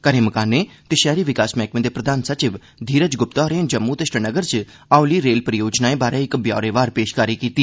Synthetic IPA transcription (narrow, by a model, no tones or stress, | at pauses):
kəɾeːməkaːneːt̪ɪʃɛːɾiːʋɪkaːsmɛːkmẽːd̪eːpɾəd̪ʱaːnsət͡ʃɪʋ | d̪ʱiːɾəd͡ʒɡʊpt̪aːɾẽːnd͡ʒəmːuːt̪ɪsʈənəɡəɾt͡ʃ | aːuliːɾeːlpɾəjoːd͡ʒnaːẽːbaːɾeːɪkbja̰ːɾeːʋaːɾpeːʃkaːɾiːkiːt̪iː